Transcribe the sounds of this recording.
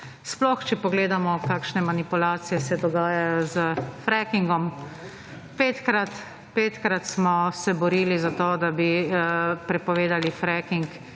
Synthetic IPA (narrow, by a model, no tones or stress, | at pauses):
splɔxt͡ʃɛpɔɡleːd̪amɔkaːkʃnɛmanipulaːt̪sijɛsɛd̪ɔɡaːjajɔzəfɾɛkiŋɡɔm | peːt̪kɾat̪ | peːt̪kɾat̪smɔsɛbɔɾiːlizat̪oːd̪abi | pɾɛpɔʋeːd̪alifɾɛkiŋk